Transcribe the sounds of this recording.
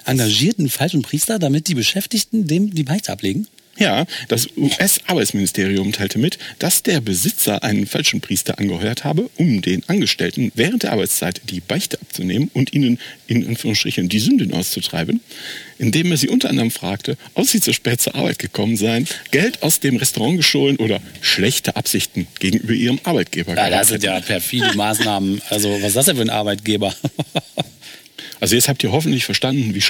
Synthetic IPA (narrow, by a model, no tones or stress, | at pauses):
ʔaŋɡaʒiːɐtn̩falʃn̩pʁ̥iːstɐdamɪt̚d̥iːbəʃɛftɪçtn̩deːmdiːbaɪçtəʔapleːɡŋ̩ | jaːd̥asʔuʔɛsʔaɐbaɪt͡smɪnɪstʰeːʁ̞iʊmtʰaɪltʰəmɪtd̥asd̥eːɐbəzɪt͡sɐʔaɪnənfalʃn̩pʁ̥iːstɐ̰ʔanɡəhɔʏɐthaːbəʔʊmdeːnʔanɡəʃtɛ̰ltn̩vɛːʁəntd̥eːɐaɐːbaɪt͡st͡sa̰ɪtd̥iːbaɪçtəʔap̚t͡sunḛːmənʔʊntʔiːnənɪnʔa̰nfyːʁʊŋstʁ̥ɪçəndiːzʏndnʔa̰ʊst͡sutʁ̥a̰ɪbənʔɪndeːmeːɐziːʔʊntɐʔandɐʁəmfʁ̥aːk̚tʰəʔɔpz̥iːt͡suːɐʃpɛːt̚t͡suɐʔaɐba̰ɪt̚ɡ̥əkʰɔmənzaɪənɡ̥ɛltʰa̰ʊsd̥eːmʁɛstoʁɑ̃ŋɡəʃtoːlənʔoːɾɐʃlɛçtəʔapz̥ɪçtn̩ɡ̥eːɡŋ̩ʔyːbɐʔiːʁəmʔaɐbaɪt̚ɡ̥eːbɐɡadasɪntjaːpʰɛɐfiːləmaːsnaːmənʔalzovasasd̥ɛnfyːɐənʔa̰ɐbaɪt̚ɡ̥eːbɐ | ʔalzojɛt͡sthaptiːɐɦɔfn̩tlɪçfɛɐʃtandn̩viː